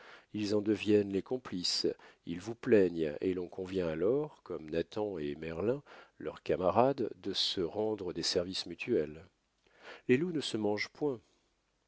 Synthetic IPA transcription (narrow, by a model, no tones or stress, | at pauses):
ilzɑ̃d̪əvjɛnlekɔ̃plisilvuplɛɲḛlɔ̃kɔ̃vjɛ̃alɔʁkɔmnat̪ɑ̃emɛʁlɛ̃lœʁkamaʁad̪ːəsəʁɑ̃d̪ʁəd̪esɛʁvismyt̪ʰyɛl | lelunəsəmɑ̃ʒpwɛ̃